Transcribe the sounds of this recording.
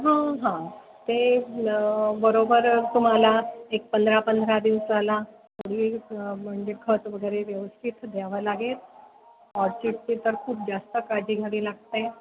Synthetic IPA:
ɦãɦã | t̪e | bəɾobəɾt̪um̤alaek̚pənd̪ʱɾapənd̪ʱɾad̪iʋsala | məɽʋiːm̤əɳd͡ʑekʰət̪ʋəɡəɾeʋjəʋəst̪ʰit̪d̪ʱjaʋəlaɡet̪ | ɔɾt͡ɕiʈ̚t͡ɕet̪əɾkʰuːp̚d͡ʑast̪əkad͡ʑiːɡʱaɽiːlaɡ̚t̪e

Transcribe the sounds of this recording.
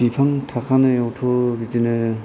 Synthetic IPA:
bipʰaŋtʰakʰanɯjɔwtʰobitinɯ

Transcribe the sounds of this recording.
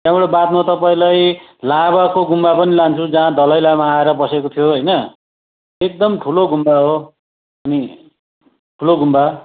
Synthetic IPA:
t̪jãbeɽobat̪mat̪ʌpaĩlaj | laβakoɡumbapʌnilant͡sʰud͡zaɦãd̪ʌlʌjlamaːeɾʌbʌsekot̪ʰijoɦʌjnʌ | ek̚d̪ʌmʈʰuloɡʱumbaɦo | ʌni | ʈʰuloɡʱumba

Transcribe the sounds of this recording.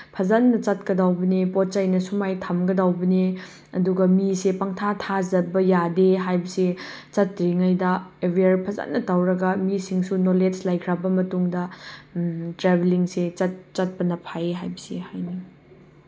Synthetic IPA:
pʰɐzanːɐt͡ʃɐt̚kɐdawbɐnepot̚t͡ʃajnɐsumajtʰamɡɐdawbɐne | ɐduɡɐmisepaŋtʰatʰazɐbɐjadeɦajbɐse | t͡ʃɐtɾiŋajdɐebɾiaɾpʰɐza̰nːɐtawɾɐɡɐmisiŋsunoled͡ʒlajkʰɾabɐmɐtuŋdɐ | tɾebʱeliŋset͡ʃɐt̚t͡ʃɐt̚pɐnɐpʰajeɦajbɐsihajni

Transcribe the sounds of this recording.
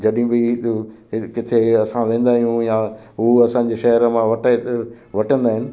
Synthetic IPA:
d͡ʑɐɗɪĩbɪɦɪkɪt̪ʰeɐsãʋẽːnd̪aːɦijũjã | ɦuɐsãːɲ̆d͡ʑeʃɐɦəɾmãʋɐʈ̪ː | ʋɐʈʰə̃nd̪aːɦɪnɪ̆

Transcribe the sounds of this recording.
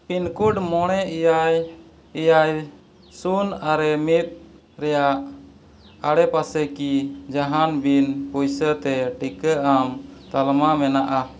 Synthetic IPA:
pinkuɖmɔɽ̃ɛaj | ijaj | sunaɾɛmit̪̚ | ɾɛjaʔ | aɽɛpasɛkid͡ʒaɦanbinpujsət̪ɛʈikəamt̪almamɛnaʔa

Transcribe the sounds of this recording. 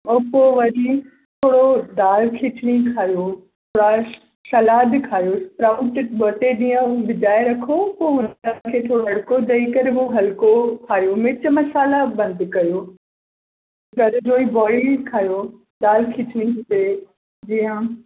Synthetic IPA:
oːpoʋɐɾi | t̪ʰoːɽod̪aːlkʰɪt͡ɕɽ̃ikʰaːjot̪ʰoːɽa | sɐlaːd̪kʰaːjospɾaːʊʈɪʈbɐt̪eɗĩːə̃ʋɪd̪aːeɾɐkʰopoːʊnkʰeːt̪ʰoːɽoɐɽkod̪ɐikɐɾboɦɐlkokʰaːjomɪt͡ɕmɐsaːlabɐ̃nd̪kɐjoː | ɡɐɾd͡ʑoːibɔːɪkʰaːjo | d̪aːlkʰɪt͡ɕɽ̃iɦt̪e | d͡ʑiːə̃

